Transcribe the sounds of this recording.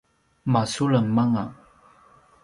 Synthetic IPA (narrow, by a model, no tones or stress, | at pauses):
masuləŋmaŋa